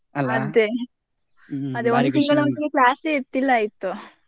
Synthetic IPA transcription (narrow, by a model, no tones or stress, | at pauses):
ɐd̪e | ɐd̪eond̪ut̪iŋɡɐɭont̪ːɐɡeklaːseet̪ːilːɐaːjit̪ːu